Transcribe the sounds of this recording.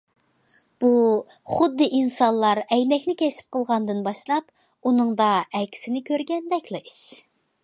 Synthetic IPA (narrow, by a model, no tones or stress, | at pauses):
b̥u | χʊd̪ːɨʔinsɑnlˠɑɾɛjnɛkʲnɪkʲʰɛt͡ʃʰi̥p̚qʰəlˠʁɑnd̪ɨnbɑʃlˠɑp | unɨŋd̪ɑɛkʲʰi̥sɪnɪkʲʰøɾɡʲɛnd̪ɛkʲlɨiʃ